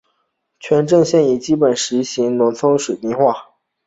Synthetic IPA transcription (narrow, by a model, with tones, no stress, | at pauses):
t͡ɕʰɥɛ˧˥nʈ͡ʂɤ˥˧ŋɕjɛ˥˩ni˨˩t͡ɕi˥pə˨˩nʂɻ̩˧˥ɕi˧˥ŋnwə˧˥nt͡sʰo˥ʊʂwu˨˩t̪i˥˧ŋxwa˥˩